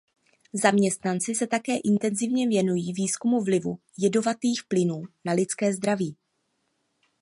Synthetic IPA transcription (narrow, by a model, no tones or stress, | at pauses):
zamɲɛst̪nant͡sɪsɛt̪akɛːʔɪnt̪ɛnzɪvɲɛvjɛnujiːviːskumuvlɪvṵ | jɛdo̞vat̪iːxplɪnuːnalɪt͡skɛːzd̪ɾaviː